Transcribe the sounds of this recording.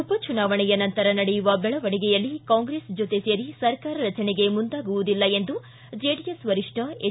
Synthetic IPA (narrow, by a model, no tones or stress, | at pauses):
upɐt͡ʃunaːʋɐɳɛjɐnɐnt̪ɐɾɐnɐɽɛjuʋɐbɛɭɐʋɐɽiɡɛjɐlːikaːŋɡɾesd͡ʒot̪e̞seːɾisɐɾkaːɾɐɾɐt͡ʃɐneɡe̞mund̪aːɡuʋud̪ilːɐe̞nd̪u | d͡ʒeːɽijɐsʋɐɾiʂʈʰɐe